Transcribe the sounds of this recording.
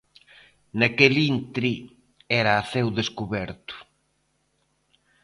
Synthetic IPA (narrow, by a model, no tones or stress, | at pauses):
nakelint̪ɾi | ɛɾaːθewðeskuβɛɾt̪ʊ̥